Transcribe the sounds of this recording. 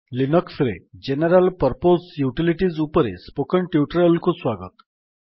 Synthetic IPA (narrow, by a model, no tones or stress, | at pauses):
linəksɾḛd͡ʑenəɾəlpəɾposjuʈiliʈid͡zupəɾḛspokəɳʈjuʈɾəlkosʋaɡə̰t̪